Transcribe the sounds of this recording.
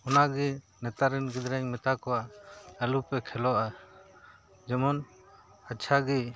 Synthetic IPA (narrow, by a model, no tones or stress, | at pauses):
ɔnaɡi | nɛt̪aɾɛnɡid̪ɾɛɲmɛt̪akɔwaʔəlupɛkʰɛlɔʔa | d͡ʒɔmɔn | at͡ʃʰaɡi